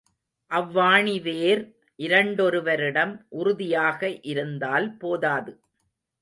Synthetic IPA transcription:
ʔɐʋːaːɳiʋeːɾ | ʔɪɾɐɳɖɔɾɯʋɐɾɪɽɐmʔʊɾʊðɪjaːɣɐʔɪɾɯnd̪aːlpoːðaːðɯ

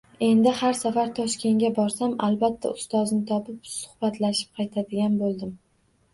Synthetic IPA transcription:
e̞nd̪ɪhaɾsafaɾt̪ʰɒʃkʲe̞ŋɡʲabɒɾsamalbat̪ʰːa̰ʊst̪ɒznɪt̪ʰɒpɪpsʊ̥hb̥at̪ʰlaʃɪ̥p̚qʰɑjt̪ʰad̪ɪɡʲanbolˠd̪ɪm

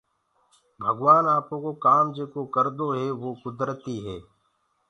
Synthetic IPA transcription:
bʱəɡʋaːnaːpõːkoːkaːmd͡ʒeːkoːkəɾd̪oːɦɛːʋoːkʊd̪ɾət̪iːɦɛː

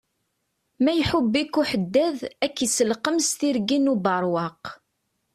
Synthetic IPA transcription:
mæjħubːikːuħəd̪ːæðækːisəlqəmst̪iɾɡinubɑɾˤwɑq

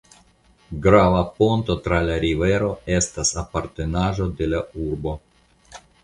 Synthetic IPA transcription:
ɡɾavapont̪ot̪ɾalaɾiveɾoest̪asapaɾt̪enaʒod̪elauɾbo

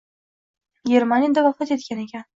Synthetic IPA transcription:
ɡʲe̞ɾmanijad̪avafat̪e̞t̪kʲanekʲan

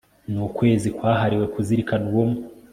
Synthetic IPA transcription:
nukwe̞ːzikwaːɦaɾiwe̞kuziɾikanuwomu

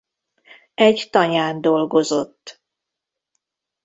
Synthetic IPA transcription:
ɛɟt̪ɒɲaːnd̪o̞lɡo̞zo̞t̪ː

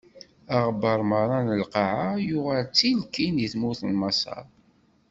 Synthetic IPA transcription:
aʁbəɾˤməɾˤɑnəlqɑʕajʊʁælt͡sːilkːinjəθmuθlmɑsɑ̰ɾˤ

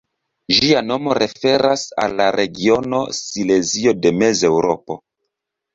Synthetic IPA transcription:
ʒiano̞mo̞ɾʔe̞fe̞ɾasa̰lːaɾʔe̞ɡio̞no̞̰sile̞zio̞de̞me̞ze̞wɾo̞po̞̰

